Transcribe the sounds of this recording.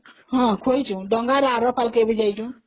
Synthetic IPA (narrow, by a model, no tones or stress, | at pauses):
ɦɔ̃kʰojt͡ʃʰũɖɔŋɡaɾaɾɔpʰalkebid͡ʒajt͡ʃʰũ